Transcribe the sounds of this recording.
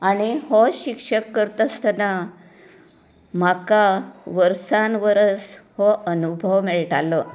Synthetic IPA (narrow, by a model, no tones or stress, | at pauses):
aɽ̃ihɔɕikʂəkːəɾt̪əst̪əna | m̤akaʋəɾsanʋəɾəshɔənubʱəʋmɛɭʈalə